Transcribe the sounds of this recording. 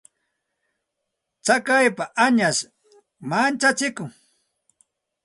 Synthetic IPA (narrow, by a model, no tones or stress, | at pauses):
t͡sakajpaʔaɲas | mant͡ʃat͡ʃɪkʊŋ